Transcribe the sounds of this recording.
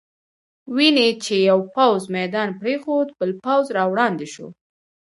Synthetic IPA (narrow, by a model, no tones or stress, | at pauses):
winet͡ʃejawpawzmajd̪ɑnpɾexod̪bəlpawzɾɑwɽɑnd̪eʃo̰